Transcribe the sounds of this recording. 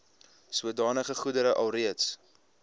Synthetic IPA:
suədɑːnəχəχudəɾəʔɐlˠriəts

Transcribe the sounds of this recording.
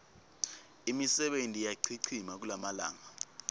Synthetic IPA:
imisɛɓentʼijaǀʰiǀʰimak̬ulamala̰ːŋa

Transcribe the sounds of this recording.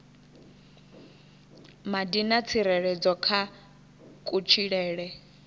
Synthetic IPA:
madinat͡sʰiɾɛɺɛd͡zɔkʰa | kʼut͡ʃʰiɺɛːɺɛ

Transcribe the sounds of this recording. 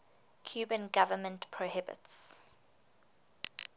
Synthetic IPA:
kʰj̥ʉːbə̃nɡavəmə̃ntpʰɹohɪbɪ̰ts

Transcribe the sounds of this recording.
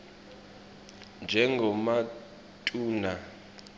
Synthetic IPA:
nd͡ʒʱɛŋɡʱɔma | tʼuːna

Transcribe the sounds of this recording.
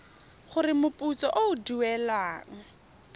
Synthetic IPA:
χʊrɪmʊpʼut͡sɔʔoʊduɛlaːŋ̩

